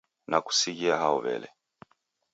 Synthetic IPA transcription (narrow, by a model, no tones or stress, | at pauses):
naku̥siɣiaɦaɔβɛ̰lɛ